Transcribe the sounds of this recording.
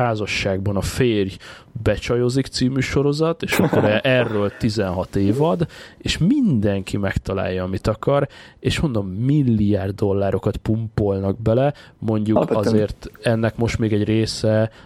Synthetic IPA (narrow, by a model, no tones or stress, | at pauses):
aːzɒʃːaːɡ̚bɒnɒfeːrj | bɛt͡ʃɒjozikt̪siːmyːʃo̞ɾo̞zɒt̪eːʃɒkːoɾɛɛrːøːlt̪izɛnɦɒt̪eːvɒd̪eːʃmind̪ɛŋkimɛkt̪ɒla̰ːjːɒːmit̪ɒkɒɾeːʃmo̞nd̪o̞mːilːijaːrd̪d̪o̞lːaːɾo̞kɒt̪pumpo̞lnɒɡ̚bɛlɛmo̞ɲɟukɒzeːrt̪ɛnːɛkmo̞ʃt̪meːɡɛɟreːsɛ